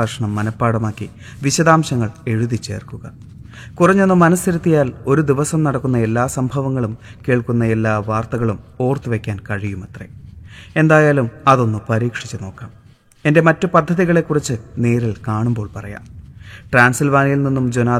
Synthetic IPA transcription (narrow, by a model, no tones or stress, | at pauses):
aːʂɐɳɐmːɐnɐpːaːɽɐmaːkːi | ʋiɕɐðaːmɕɐŋːɐɭe̞ɻuðit͡ɕːe̞̰ːrkuɣɐ | kurɐɲːo̞nːɨmɐnɐsiɾɐt̪ːijaːlo̞ɾud̪iʋɐsɐmnɐɽɐkːunːɐe̞lːaːsɐmbʱɐʋɐŋːɐɭumke̞ːɭkunːɐe̞lːaːʋaːrt̪ɐɣɐɭumo̞ːrt̪ɨʋe̞kʲːaːnkɐɻijumɐt̪rḛe̞nd̪aːjaːlumɐðo̞nːupɐɾiːkʂit͡ɕːɨno̞ːkːaːm | e̞nde̞mɐtːɨpɐd̪ʱːɐðiɣɐɭe̞kːurit͡ɕːɨne̞ːɾilkaːɳumbo̞ːɭpɐrɐ̰ja̰ːmʈraːnsilʋaːnijilninːumd͡ʑonaː